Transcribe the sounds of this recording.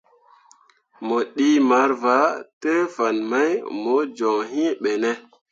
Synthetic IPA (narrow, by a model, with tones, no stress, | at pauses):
mo˨ɗi˦ma˨˦ɾva˨˦te˦fa˨nma˦jmo˨˦d͡ʒɔ˨ŋɦĩ˦ɓe˨nɛ˦